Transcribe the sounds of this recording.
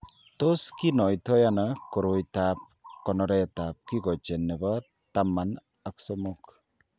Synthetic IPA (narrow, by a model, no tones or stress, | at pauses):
t̪oskinɔjt̪ʰɔjanɔkɔɾojt̪ap̚kɔnɔɾɛjt̪ap̚kiɡɔt͡ʃenːebɔ | t̪amːan | aksɔmuk